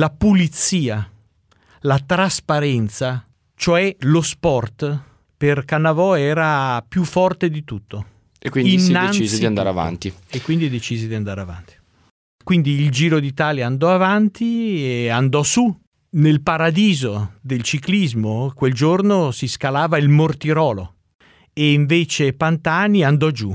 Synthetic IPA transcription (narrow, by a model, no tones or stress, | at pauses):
lapulit̪siːa | lat̪ɾaspaɾɛnt̪sa | t͡ʃoɛlospɔrt̪ | perkanːavɔɛːɾapjufːɔrt̪ed̪it̪ut̪ːo | ekwiinːanized̪iand̪aɾeava̰nt̪iekwind̪id̪et͡ʃiːzed̪iand̪aːɾeava̰nt̪i̥ | kwind̪iːld͡ʒiːɾod̪it̪aːljaand̪ɔavant̪ieand̪ɔsu | nelpaɾad̪iːzod̪elt͡ʃiklizmokweld͡ʒornosiskalaːvailmort̪iɾɔːlo | eiɱveːt͡ʃepant̪aːniand̪ɔd͡ʒu